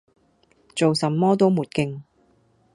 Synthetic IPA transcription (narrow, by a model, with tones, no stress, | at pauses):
t͡so˨wsɐ˨mːɔː˥t̪o˥wmuː˨t̚kɪ˧ŋ